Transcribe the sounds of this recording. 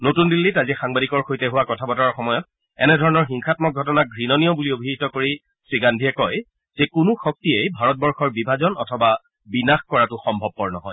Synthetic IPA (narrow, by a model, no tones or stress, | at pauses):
notundilːitazixaŋbadikɔɹxojtɛɦuwakɔtʰabɔtaɹɔɹxɔmɔjɔt̚ | ɛ̰nɛdʱɔɹɔnɔɹxiŋxatmɔk̚ɡʱɔtɔnaɡʱɹinɔnijɔbuliobʱizitɔkoɹi | sɹiɡandʱiɛkɔj | z̥ɛkʊnʊxɔk̚tiejbʱaɹɔt̚bɔɹxɔɹbibʱazɔnɔ̰tʰɔba | binaxkɔɹatʊxɔmbʱɔb̚pɔɹnɔ̰ɦɔ̰j